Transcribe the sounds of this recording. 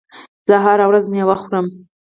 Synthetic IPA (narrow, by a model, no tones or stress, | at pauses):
zaɦaɾawɾazmiawaχʷram